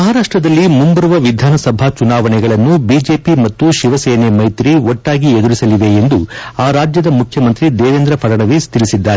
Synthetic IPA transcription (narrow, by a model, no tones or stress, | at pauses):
mɐɦaːɾaːʂʈɾɐd̪ɐlːimumbɐɾuʋɐʋid̪ʱaːnɐsɐbʱat͡ʃunaːʋɐnɛɡɐɭɐnːubiːd͡ʒe̞ːpimɐt̪ːuʃiʋɐsɛːnemɐjt̪ɾiɔʈːaːɡied̪uɾisɐliʋe̞end̪uaːɾaːd͡ʒjɐd̪ɐmukʰjɐmɐnt̪ɾid̪ɛːʋeːnd̪ɾɐpʰɐɾɐɳɐʋist̪iɭisid̪ːaːɾe